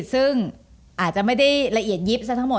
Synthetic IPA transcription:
t̪̚sɯ˥˩ŋ | ʔaː˨˩t̪̚t͡ɕa˨˩ma˥˩jda˥˩jla˧ʔi˨˩ət̪̚ji˦˥p̚sa˦˥t̪ʰa˥ŋmo˨˩

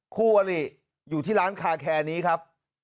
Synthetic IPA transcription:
kʰuː˥˩waː˧li˨˩ | juː˨˩t̪ʰiː˥˩ɾaː˦˥nkʰaː˧kʰɛː˧niː˦˥kʰa˦˥p̚

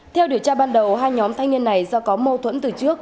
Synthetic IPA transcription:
t̪ʰɛ˧wɗi˧˩əwt͡ɕaː˧ɓaː˧nɗə˨˩wɦaː˧jɲɔ˨˦mt̪ʰa˧ŋni˧ənːa˨˩jzɔ˧kɔ˨˦mo˧t̪ʰwə˧˥nt̪ɨ˨˩t͡ɕɨ˦˥ək̚

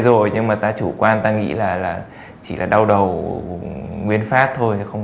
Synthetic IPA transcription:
zo˨˩jɲɨ˧ŋmaː˨˩t̪aː˧t͡ɕu˧˩kwaː˧nt̪aː˧ŋḭ˧˥laː˨˩laː˨˩ | t͡ɕi˧˩lʔaː˨˩ɗa˧wɗə˨˩w | ŋwi˧ənfaː˦˥t̚t̪ʰo˧jxə˧wŋ͡m

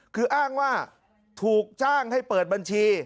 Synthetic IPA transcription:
kʰɯː˧ʔaː˥˩ŋwaː˥˩ | t̪ʰuː˨˩k̚t͡ɕaː˥˩ŋha˥˩jpɤː˨˩t̪̚ba˧nt͡ɕʰiː˧

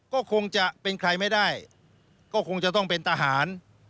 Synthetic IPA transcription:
kɔː˥˩kʰo˧ŋt͡ɕa˨˩ʔpe˧nkʰɾa˧jma˥˩jdaː˥˩j | kɔː˥˩kʰo˧ŋt͡ɕa˨˩t̪̬ɔ˥˩ŋpe˧nt̪ʰa˧ɦaː˩˦n

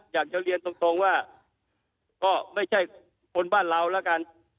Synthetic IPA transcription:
jaː˨˩k̚t͡ɕa˧˩ɾi˧ənt̪o˧ŋt̪o˧ŋwaː˥˩ | kɔː˥˩ma˥˩jt͡ɕʰa˥˩j | kʰo˧nbaː˥˩nɾa˧wlɛː˦˥ka˧n

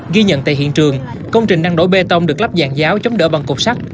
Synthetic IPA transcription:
ɣi˧ɲə̰˧˨nt̪a̰˧˨hḭ˧˨ənt͡ɕɨ˨˩əŋ | kə˧wŋ͡mt͡ɕï˨˩ŋ̟ɗaː˧ŋɗo̰˧˩˦jɓe˧t̪ə˧wŋ͡mɗɨ˨˩əkla˦˥p̚zaː˧˩ŋzaː˨˦wt͡ɕɔ˨˦wŋ͡mɗə̰˧˩ɓa˨˩ŋkʊ˨˩k͡p̚sa˦˥k̚

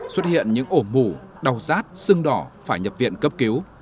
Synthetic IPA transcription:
swə˦˥t̚hḭ˧˨ənɲɨ̰˧˥ŋʔo˧˩mu˧˩ɗa˨˩wzaː˦˥t̚sɨ˧ŋɗɔ˧˩faː˧˩jɲə˨˩p̚vḭ˧˨ənkə˦˥p̚ki˨˦w

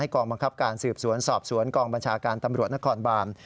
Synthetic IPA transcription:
a˥˩jkɔː˧ŋba˧ŋkʰa˦˥p̚kaː˧nsɯː˨˩p̚su˩˦ənsɔː˨˩p̚su˩˦ənkɔː˧ŋba˧nt͡ɕʰaː˧kaː˧nt̪a˧mɾu˨˩ət̪̚na˥kʰɔː˧nbaː˧m

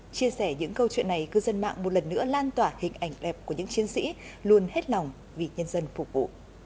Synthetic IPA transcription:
t͡ɕi˧əsɛ˧˩ɲɨ̰˧˥ŋkə˧wt͡ɕwḭ˧˨nːa˨˩jkɨ˧zə˧nma̰ː˧˨ŋmo˨˩t̚lə˨˩nːɨ̰˧˥əlaː˧nt̪waː˧˩hï˨˩ŋ̟ʔa˨˩jŋ̟ɗɛ˨˩p̚ku˧˩əɲɨ̰˧˥ŋt͡ɕi˨˦ənsḭ˧˥lu˧ənhe˦˥t̚la˨˩wŋ͡m | vi˨˩ɲə˧nzə˧nfʊ˨˧˩k͡p̚vṵ˧˨

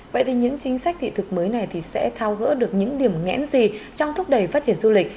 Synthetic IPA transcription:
və̰˧˨jt̪i˨˩ɲɨ̰˧˥ŋt͡ɕï˨˦ŋ̟sa˦˥k̚t̪ʰḭ˧˨t̪ʰɨ˨˩k̚məː˨˦jna˨˩jt̪ʰi˨˩sɛ̰˧˥t̪ʰaː˧wɣə̰ː˧˥ɗɨ˨˩ək̚ɲɨ̰˧˥ŋɗi˨˩əmŋɛ̰˧˥nzi˨˩t͡ɕɔ˧wŋ͡mt̪ʰʊ˦˥k͡p̚ɗə˨˩jfaː˦˥t̚t͡ɕi˧˩ənzu˧lï˨˩k̟̚

